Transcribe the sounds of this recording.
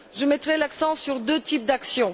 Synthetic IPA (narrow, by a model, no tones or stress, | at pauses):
ʒəmɛt̪χɛlaksɑ̃syʁd̪øt̪ip̚d̪aksjɔ̃